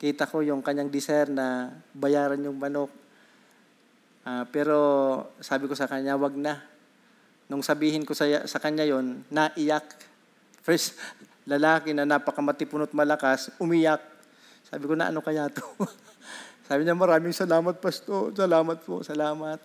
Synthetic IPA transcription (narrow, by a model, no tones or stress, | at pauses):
kiːt̪ɐko̞jʊŋkɐɲːaŋd̪ɪsɛɾnɐbɐjaːɾɐnjʊŋmɐnok̚ | ʔaːpɛːɾo̞saːbɪko̞sɐkɐɲːawɐɡ̚na | nʊŋsɐbiːhɪnko̞sɐsɐkɐɲːajo̞nːaʔɪjak̚ | fɛs | lɐlaːkɪnɐnaːpɐkɐmɐt̪ɪpʊnot̪̚mɐlɐkasʊmiːjak̚ː | a̰ːbɪkonɐʔɐ̰nokɐjaːt̪o | saːbɪɲamɐɾaːmɪŋsɐlaːmɐt̪̚pɐst̪osɐlaːmɐt̪̚po̰sɐlaːmɐt̪̚